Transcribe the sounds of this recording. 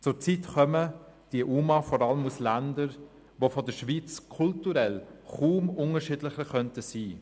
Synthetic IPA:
t͡sʊːt͡siːtχœməd̥iəʔuːmɑfɔɾɑləmuslændəɾ | ʋofodəʃviːt͡skʰʊltuɾɛlχuːmʊŋəʃiːdlɪχəχœntəsiː

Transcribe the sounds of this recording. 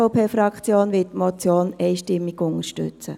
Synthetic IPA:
oʊpʰeːfɾɑkt͡sjoːnʋɪtmɔt͡sjoːnɛɪʃtɪmːɪɡʊnəɾʃtʏ̰t͡sə̰

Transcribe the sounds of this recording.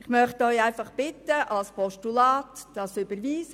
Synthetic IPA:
ɪχmœχtɔʏæɪfɑχb̥ɪtːəʔɑlspʰɔʃtulɑːtd̥ɑsʏbəɾʋiːsə

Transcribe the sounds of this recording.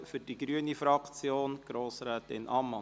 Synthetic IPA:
fʏɾd̥iɡɾyənifɾɑkt͡sjoːnɡ̥ɾoːsɾæːtɪ̰nʔɑmːɑ

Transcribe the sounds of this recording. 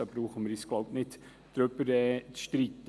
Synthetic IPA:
ɑb̥ɾuːχəməɾisɡ̥lɑʊtnɪt | d̥ɾøbəɾɛːt͡sʃtɾit̪ː

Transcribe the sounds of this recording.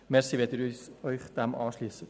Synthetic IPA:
mɛɾsiʋeːtiːɾyɔʏχd̥ɛmʔɑːʃlyːəsə

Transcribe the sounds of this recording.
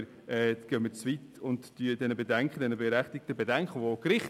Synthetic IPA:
ɾ | ɛːɡ̥œmːət͡svit̪ʊndːyədɛnəbedɛŋkχəd̥̪ɛnəbeɾæχt̪ik̚t̪əbedɛŋkχəʋokɾɪχ

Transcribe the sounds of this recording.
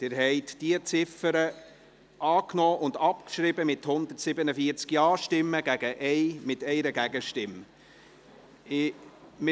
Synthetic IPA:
d̪̥ɪːɾɦɛɪt̪d̥iət͡sɪfəɾə | ʔɑːknɔːʔʊnd̪ɑpkʃɾɪbəmɪt̪hʊnd̪əɾtsɪbənəfiəɾt͡skjɑːʃtɪmːəɡ̥æɡ̥əʔɛɪmɪt̪ɛɪɾəɡæɡəʃtɪm | ɪmɪ

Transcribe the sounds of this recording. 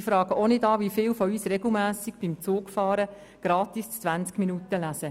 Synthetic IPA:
ifɾɑːɡəonɪdɑːʋifɪːlfɔyːsrɛɡl̩mæːsikb̥imt͡suːkfɑːɾə | ɡ̥ɾɑːt̪ist͡sːʋænt͡skminutəlæsə

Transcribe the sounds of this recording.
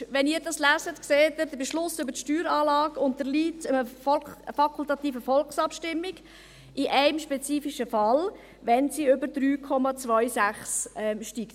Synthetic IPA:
ʋɛniːɾdɑslæːzətkseːtəɾd̪əbɛʃlʊsʏbəɾtʃtyːɾɑːlɑːɡʊntdəɾliːtəəɔfɑkʰʊlt̪ɑt̪iːfəfɔlksɑpʃtɪmːiɡ | ʔɪʔæɪmʃpɛt͡siːfiʃəfɑl | ʋɛnsiʏbəɾd̥ɾyːkʰɔmɑt͡sʋœʏsæχsɛmʃtikt

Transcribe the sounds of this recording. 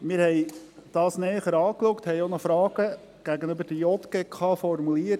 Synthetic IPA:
mɪɾhɛjd̥ɑːsnɛːχəɾɑːklukthɛjonɔfɾɑːɡ̥ə | ɡ̥æɡənøbəɾd̥əjɔt̪ɡ̥ɛkʰɑːfɔrmuliət

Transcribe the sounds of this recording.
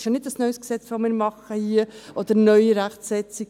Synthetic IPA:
ʃjɑnɪdɑsnœʏsksɛt͡sʋomɪːɾmɑχəhiəʔod̪əɾnœʏiɾæχtsɛt͡si

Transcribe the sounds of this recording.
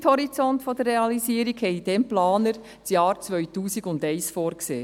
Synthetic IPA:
thɔɾit͡sɔntfodərːeɑlisiːəɾiɡhɛd̥ɛmplɑːnəɾ | sjɑːɾt͡sʋœʏtuːsiɡʊndɛɪsfoːɾksḛː

